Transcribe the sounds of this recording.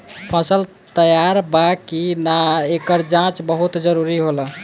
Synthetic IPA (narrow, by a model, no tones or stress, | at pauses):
pʰəsəl | t̪əjaɾbakinaekəɾd͡ʒãt͡ʃbəɦut̪d͡ʒəɾuɾiɦolə